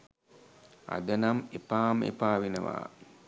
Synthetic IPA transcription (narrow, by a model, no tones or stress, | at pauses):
a̰d̪ənamepaːmḛpaːʋenəʋa̰ː